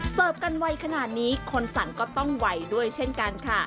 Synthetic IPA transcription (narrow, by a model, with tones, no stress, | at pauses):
sɤː˨˩p̚ka˧nwa˧jkʰa˧naː˨˩t̪̚niː˦˥kʰo˧nsa˩˦nkɔː˥˩t̪ɔ˥˩ŋwa˧jdu˥˩əjt͡ɕʰe˥˩nka˧nkʰa˥˩